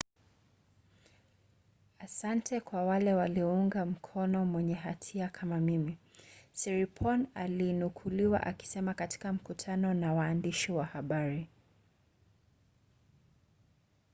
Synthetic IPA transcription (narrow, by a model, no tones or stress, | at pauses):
asantʰɛkwawalɛwaliɔuŋɡam̩kʰɔnɔmwɛɲɛɦatʰiakʰamamimisɛɾipʰɔna̰linukʰuliwa̰ʔa̰ki̥sɛmakati̥kam̩kutʰanɔnawaːndiʃiwahaɓaɾi